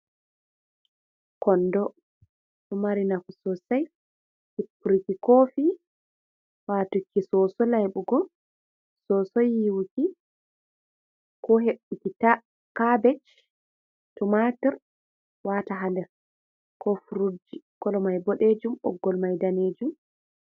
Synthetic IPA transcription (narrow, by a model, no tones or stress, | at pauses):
kɔndɔ | tumaɾinakusɔsaj | hipːuɾikikofi | watukːisɔsɔlajɓuɡɔ | sɔsɔjiwki | kɔɦeɓːikita | kabɛt͡ʃ | tɔmatɛɾ | wataɦandɛɾ | kʰɔfuɾud͡ʒikɔlɔmajbɔɗed͡ʒumɔ̰ɡːɔlmajdaned͡ʒum